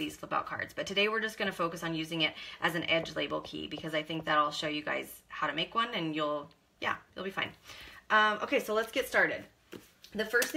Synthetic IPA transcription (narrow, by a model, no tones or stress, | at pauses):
ðiz̥kʰlɪpba̰ʊt̚kʰɑ̰ɹdz̥b̥ʌtʰɨdeɪwɨɹd͡ʒʌsɡ̥ʌñɨfoʊkɨsn̩jʉzɪ̃ŋɪɾʔɨzn̩ɛd͡ʒlḛɪbl̩ˠkʰḭbɨkʰʌzaɪθɪ̃ŋk̚ðɨɾɔlˠʃoʊjɨɡa̰ɪz̥haʊɾɨmeɪkwʌ̃nɨ̃njulˠ | jæ̰ɪl̩ˠbifã̰ɪ̃nʔʌ̃mʔo̰ʊkʰeɪsoʊlətsɡ̥ɛtstɑɹɾɨd̪̚ | ðɨfɜ˞s